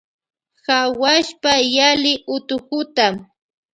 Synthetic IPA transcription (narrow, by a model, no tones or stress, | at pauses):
xawaʃpajalɪʔʊt̪ʊkʊt̪am